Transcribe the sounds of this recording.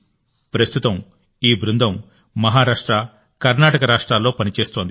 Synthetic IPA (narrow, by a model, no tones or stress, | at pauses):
pɾɐst̪ut̪ɐm | iːbɾund̪ʱɐm | mɐɦaːɾaːʂʈɾa | kɐɾnaːʈɐkɐɾaːʂʈɾaːlːo̞ːpɐnit͡ʃeːst̪o̞ːnd̪i